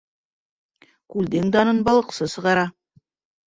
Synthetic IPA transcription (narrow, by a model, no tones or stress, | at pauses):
kʉld̪eŋd̪ɑnɤnbɑlˠə̆qsɤsɤ̆ʁɑɾɑ